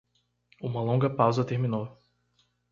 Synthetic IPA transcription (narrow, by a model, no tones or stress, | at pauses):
ũmɐlõŋɡɐpawzɐt̪eɾmĩno